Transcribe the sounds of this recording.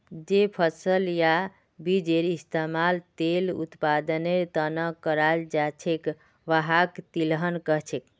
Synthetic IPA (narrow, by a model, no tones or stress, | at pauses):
d͡ʒepʰəsəlja | bid͡ʒeɾist̪amalt̪elṵt̪pad̪əneɾt̪ənəkːəɾald͡ʒat͡ʃʰek | ʋaɦakt̪ilɦənkəɦt͡ʃʰek